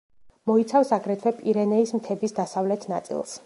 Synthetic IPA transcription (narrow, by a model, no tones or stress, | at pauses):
mɔit̪sʰafsaɡɾɛt̪ʰvɛpʼiɾɛnɛismt̪ʰɛbisd̪asavlɛt̪ʰna̰t̪sʼḭlˠs